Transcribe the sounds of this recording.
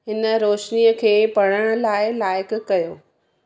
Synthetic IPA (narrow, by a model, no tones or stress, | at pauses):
ɦɪnə̆ɾoːʃniəkʰeːpɐɽəɽ̃ʊlaːɪlaːɪkkɐjoː